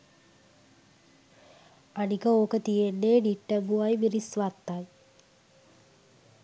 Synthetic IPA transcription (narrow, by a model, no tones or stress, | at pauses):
ɐnikɐoːkɐt̪ijenːeɖiʈːɐmbuaːjimirisʋat̪ːaj